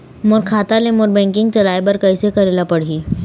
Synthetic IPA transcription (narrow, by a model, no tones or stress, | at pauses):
moɾkʰaːt̪alemoɾbɛ̃ːŋkɪ̃ŋɡt͡ʃɐlaːebɐɾkəjsekɐɾeːlapɐɽ̤iː